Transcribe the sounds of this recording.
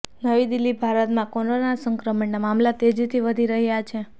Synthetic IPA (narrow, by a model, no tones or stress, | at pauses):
nəʋid̪ilːibʱaɾət̪mãkononasəŋkɾəməɳnamamlat̪ed͡ʒit̪ʰiʋəd̪ʱiɾəɦjat͡ʃʰe